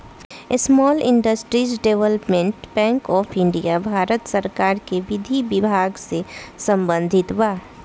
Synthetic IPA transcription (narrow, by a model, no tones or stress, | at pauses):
smɔːlɪ̃ɳɖəsʈɾiːsɖeʋələpmẽɳʈbɛ̃ːŋkɔːpʰɪ̃ɳɖijabʱaːɾət̪səɾkaːɾkeʋɪd̪ʱibɪbʱaːɡsesə̃mbə̃nd̪ʱɪt̪ʋaː